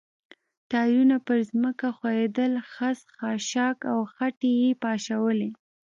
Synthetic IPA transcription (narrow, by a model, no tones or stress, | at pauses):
t̪ɑjunapəɾzməkaxwajed̪əlxasxɑʃɑkawxaʈejepɑʃawəle